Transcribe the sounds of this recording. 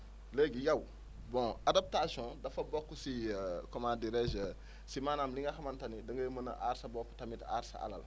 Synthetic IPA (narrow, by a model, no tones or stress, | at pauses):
leɡijaw | bɔ̃adap̚tasiɔ̃dɐfɐbɔkːusikɔmadiɾɛʒə | simaːnamliŋɡaxɐmantɐnidɐŋɡɐjəmɐnɐ̰ʔaɾsɐbɔkːu̥tɐmita̰ɾsa̰a̰lɐ̰l